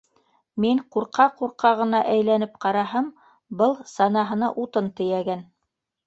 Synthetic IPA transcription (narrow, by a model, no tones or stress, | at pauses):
miɴquɾqɑquɾqɑʁɤ̆nɑʔæjlænɘp̚qɑɾɑɦɤm | bɤlˠsɑnɑɦɤ̆nɑʔut̪ɤnt̪ɘ̆jæɡæn